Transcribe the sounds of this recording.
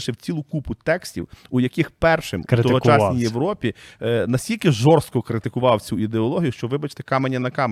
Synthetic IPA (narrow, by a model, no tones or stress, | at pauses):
ʃɪwt͡sʲilˠʊkupʊt̪ɛksʲtʲḭwujɐkixpɛrʃɪmt̪ɔɦɔt͡ʃɑsnʲijeʋɾɔpʲinɐsʲtʲilʲkɪʒɔrst̪̚kɔkɾɪt̪ɪkʊʋɑwt͡sʲuid̪eɔlˠɔɦʲijuʃt͡ʃɔʋɪbɐt͡ʃt̪ɛ̥kɑmenʲːɐnɐkɑm